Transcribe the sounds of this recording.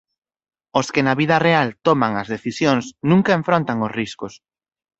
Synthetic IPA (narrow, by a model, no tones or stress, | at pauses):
oskɪnɐβiðɐrealt̪omaŋɐzðeθisjoŋsnũŋkaeɱfɾont̪ɐŋosriskʊs